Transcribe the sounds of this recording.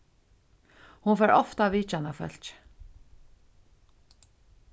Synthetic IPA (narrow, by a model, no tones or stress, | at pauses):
hunfɛɾɔ̰ft̪aviːt͡ʃanafœ̰l̥t͡ʃ